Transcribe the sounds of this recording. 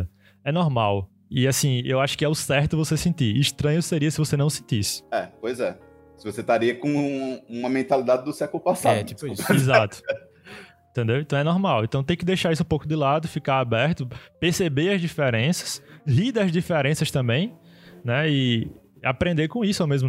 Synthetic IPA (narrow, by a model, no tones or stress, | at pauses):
ɛnɔɾmaw | ɪasĩewaʃʊ̥kɪɛʊsɛht̪ʊvosesẽnt̪iɾiʃt̪ɾɐ̃ɲʊseɾiɐsɪvosenɐ̃w̃sẽt̪isɪ̥ɛpojzɛ | sɪvoset̪aɾiɐkõũmɐmẽt̪alid̪ad̪ɪd̪ʊsɛkʊlʊpasat̪ipʊisʊizat̪ʊ̥ | ẽt̪ẽnd̪ewẽt̪ɐ̃w̃ɛnɔɾmawẽt̪ɐ̃w̃t̪ẽj̃kɪd̪ejʃaisʊũpowkʊd̪ɪlad̪ʊfikaɾabɛɾt̪ʊpehsebeɐzd̪ifeɾẽsɐ̥sɦid̪ɐzd̪ifeɾẽsɐst̪ɐ̃mbẽj̃ | nɛɪ | apɾẽnd̪ekõisʊamezmʊ